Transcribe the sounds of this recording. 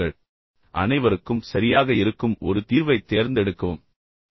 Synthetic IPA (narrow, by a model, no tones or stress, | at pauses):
ɐɭ | ʔɐ̰nɐɪʋɐɾɯkːɯmsɐɾɪjaːɣɐɪɾɯkːɯmɔ̰ɾɯt̪iːɾʋɐɪt̪ːeːɾnd̪ɛɽɯkːɐʋɯm